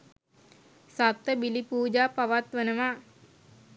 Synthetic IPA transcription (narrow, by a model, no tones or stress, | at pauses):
sat̪ːəbilipuːd͡ʒaːpaʋat̪ʋənəʋa